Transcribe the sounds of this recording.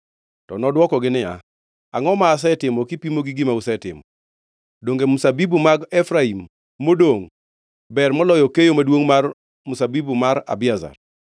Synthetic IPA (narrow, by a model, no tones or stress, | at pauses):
tɔ̰nɔdwɔkɔɡɪnɪja̰ | aŋɔmaːs̬ɛtɪmɔkɪpimoɡɪɡɪmausɛtɪ̰mɔ | doŋɡemusabibumaɡɛfɾaimː | odoŋ | bɛrmɔlɔjɔkejomadwoŋmar | musabibumaɾa̰bɪaza̰r